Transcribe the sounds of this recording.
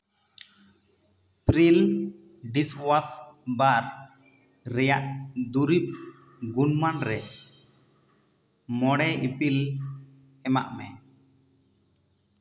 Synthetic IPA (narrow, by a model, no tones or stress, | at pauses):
pɾil | ɖiswasbaɾ | ɾɛjaʔd̪uɾip̚ | ɡunmanɾɛ | mɔɽɛipil | ɛma̰ʔmɛ̰